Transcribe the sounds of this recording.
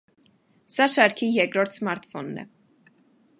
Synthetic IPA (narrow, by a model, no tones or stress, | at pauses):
sɑʃɑɾkʰijɛkɾɔɾt̪ʰsmɑɾt̪fɔnːɛ̰